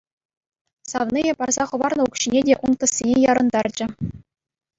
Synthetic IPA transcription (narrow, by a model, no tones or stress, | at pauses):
sɑʋnijepɑrzɑχɤ̆ʋɑrnɤ̆ukɕinʲedʲeʔunt̪ɤ̆sʲːenʲejɑɾɤ̆nd̪ɑrd͡ʑɘ̆